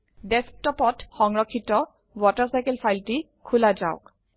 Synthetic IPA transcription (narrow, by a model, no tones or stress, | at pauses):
dɛsk̚tɔpɔtxɔŋɹɔkʰːitɔ | wɔtɔɹsajkɛlpʰajlti | kʰulaza̰ʊk